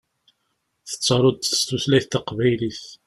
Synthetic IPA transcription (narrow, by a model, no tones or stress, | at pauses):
θə̥t͡sːɑɾˤʊd̪θə̥st̪uθlæjθt̪ɑqvæjliθ